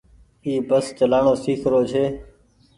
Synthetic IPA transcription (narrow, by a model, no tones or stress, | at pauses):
iːbəst͡ʃəlaːɳoːsiːkʰɾoːt͡ʃʰeː